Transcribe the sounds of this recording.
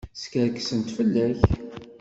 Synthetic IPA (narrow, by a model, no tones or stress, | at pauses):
skəɾksənt̪fəlːæç